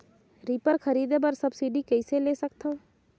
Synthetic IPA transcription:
ɾiːpəɾkʰəɾiːd̪ebəɾsɐbsiɖikɛɪseleːsək̚t̪aõ

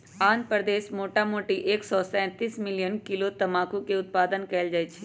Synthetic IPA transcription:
aːnpɾd̪eːʃmoːʈamoːʈiʔeːksɔːsɛ̃ːt̪iːsmɪlɪjənkɪlot̪ɐmaːkũkeʊt̪̚paːd̪ənkɛːld͡ʒaːet͡ʃʰi̥

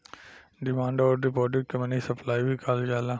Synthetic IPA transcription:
ɖɪmãːɳɖɔːɾd̪ipɔːɖɪkkɐmnisɐplaːibʱikʰaːld͡ʒaːlã

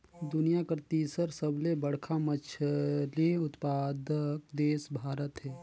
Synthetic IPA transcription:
d̪ʊnijakəɾt̪iːsəɾsəblebəɽ̤kʰamət͡ʃʰliʊt̪paːd̪kd̪eːsbʱaːɾət̪ɦɛː

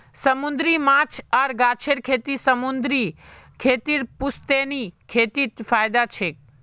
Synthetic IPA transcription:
səmʊnd̪ɾimãːt͡ʃʰaːɾɡaːt͡ʃʰeɾkʰeːt̪isəmʊnd̪ɾikʰeːt̪iːɾpʊst̪enikʰeːt̪it̪faːjd̪at͡ʃʰeːk

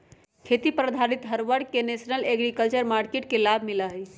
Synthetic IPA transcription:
kʰet̪ipɾəd̪ʱaɾit̪ɦəɾʋəɽkenesnəleɡɾikəlt͡ʃəɾmaɾkeʈkelabʱmiləɦj

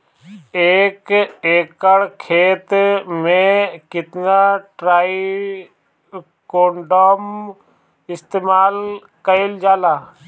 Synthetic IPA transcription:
eːkeːkəɽkʰeːt̪mẽkɪt̪naʈɾaːi | koːɳɖoːm | ɪst̪eːmaːl | kəɪld͡ʒaːlaː

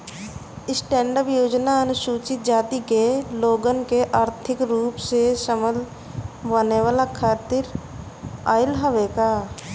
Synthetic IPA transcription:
ɪsʈɛ̃ːɳɖəpjoːd͡ʒnaənʊsuːt͡ʃɪt̪̚d͡ʒaːt̪ikeloːɡənkeʔaːɾt̪ʰɪkɾuːpseʃəməl | ʋəneʋaːlakʰaːt̪ɪɾ | aːɪlɦəʋekaː

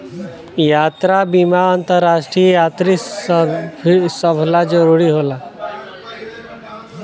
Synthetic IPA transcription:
jaːt̪ɾabimaənt̪əɾːasʈɾijaːt̪ɾi | səbʱʰlad͡ʒəɾuɾiɦoːla

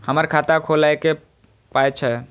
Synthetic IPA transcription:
həməɾkʰat̪akʰolaeke | pajt͡ʃʰɛ

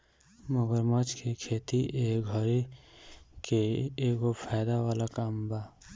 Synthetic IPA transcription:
məɡəɾmat͡ʃkʰekʰet̪iʔeɡʱʌɾi | keeɡopʰajd̪awalakaːmba

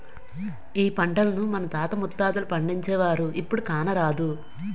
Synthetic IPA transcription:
iːpɐɳʈɐlɐnumɐnɐt̪aːt̪ɐmut̪ːaːd̪ɐlupɐɳɖiɲt͡ʃɛːʋaːɾuʔipːuɽukaːnɐɾaːd̪u

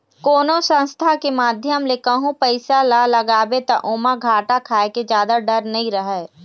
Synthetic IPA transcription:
koːnosə̃nst̪ʰakemaːd̪ʱjəmlekəɦũpəɪsalaləɡaːbet̪aʔoːmaɡʱaːʈakʰaːeked͡ʒjaːd̪aɖəɾnɐɦĩɾəɦɛː

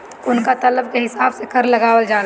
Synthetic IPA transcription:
ʊnkat̪ɐləb̚keɦɪsaːbsekɐɾlɐɡaːwəld͡ʒaːl

